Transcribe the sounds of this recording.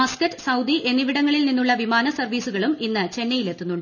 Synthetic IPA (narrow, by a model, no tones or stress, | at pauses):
ɐskɐtːɨsɐwd̪iʔe̞nːiʋiɽɐŋːɐɭilninːuɭːɐʋimaːnɐsɐrʋiːsuɣɐɭuminːɨt͡ɕe̞nːɐjile̞t̪ːunːuɳɖ